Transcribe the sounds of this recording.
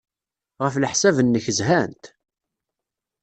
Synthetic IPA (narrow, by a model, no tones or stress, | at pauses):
ʁəfləħsævənːəçəzhænt̪